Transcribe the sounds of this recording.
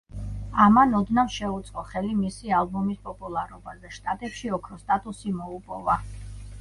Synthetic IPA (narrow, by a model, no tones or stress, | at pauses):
amanɔd̪navʃɛut̪sʼqʼɔχɛlimisialˠbɔmispʼɔpʼulˠaɾɔbazɛʃt̪ʼat̪ʼɛpʃiɔkʰɾɔst̪ʼat̪ʼusimɔupʼɔva